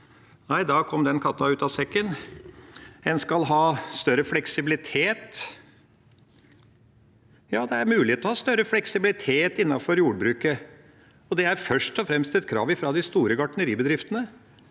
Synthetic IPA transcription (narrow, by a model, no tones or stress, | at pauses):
næɪd̪ɑːkʰɔmd̪ɛnkʰɑt̪ːɑʉːt̪ɑsɛkːən | ɛnskɑlɦɑːst̪œɾəflɛksɪbɪlɪt̪ʰeːt̪ | jɑːd̪ɛæɾmʉːlɪheːt̪ɔhɑːst̪œɾəflɛksɪbɪlɪt̪ʰeːt̪ɪnːɑfɔɾjuːɖəbɾʉːkə | ɔd̪ɛæɾfœʂʈɔfɾɛmst̪ɛt̪kʰɾɑ̰ːʋɪfɾɑd̪ɪst̪uːɾəɡɑʈənəɾiːbəd̪ɾɪft̪ənə